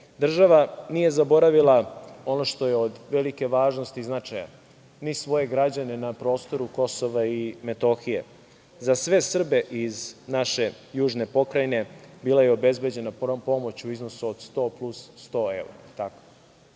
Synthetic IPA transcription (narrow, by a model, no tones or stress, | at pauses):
d̪r̩ʒaʋanije̞zabo̞ɾaʋilˠao̞no̞ʃt̪o̞je̞od̪ʋe̞like̞ʋaːʒnost̪iznat͡ʂaja̰ | nisʋo̞je̞ɡɾad͡ʑane̞napɾo̞ːst̪o̞ɾuko̞so̞ʋaime̞t̪o̞xije̞̰ | zasʋe̞sr̩be̞ʔiznaʃe̞ | juːʒne̞po̞kɾajne̞biːlˠaje̞obe̞zbe̞d͡ʑe̞napo̞mo̞t͡ɕuizno̞suod̪st̪o̞ːplusːt̪o̞ḛuɾat̪ako̥